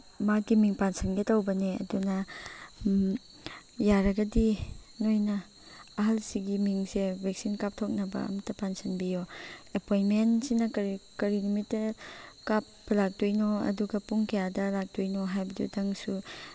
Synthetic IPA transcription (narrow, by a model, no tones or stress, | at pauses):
makimiŋpansɐnɡetɐwbɐneɐ̰dunɐ | jaɾɐɡɐdinojnɐː | ɦɐlsiɡimiŋsebʱek̚sinkap̚tʰok̚nɐbɐ̰ɐ̰mɐtːɐpansɐnbijoepojnmensinɐkɐɾkɐɾinumitːɐkap̚bɐlak̚tojnoɐ̰duɡɐpuŋkɐjadɐlak̚tojnoɦajbɐdṵdɐŋsu